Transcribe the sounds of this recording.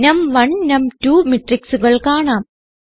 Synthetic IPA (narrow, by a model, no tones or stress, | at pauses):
nɐmʋɐɳnɐmtuːmiʈriksuɣɐɭkaːɳaːm